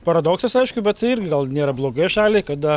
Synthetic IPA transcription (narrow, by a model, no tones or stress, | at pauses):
pɐɾɐd̪oːksɐsɐɪʃkʊbʲɛt̪t̪ɐɪɪɾʲɡʲɪɡɐlˠnʲeːɾɐblˠoːɡɐɪjʃɑːlʲeɪkɐd̪ɐ